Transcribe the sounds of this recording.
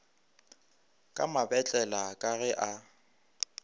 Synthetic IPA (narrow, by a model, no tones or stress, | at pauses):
kʼa̰mabɛt͡ɬʼɛlakʼaɣɛʔa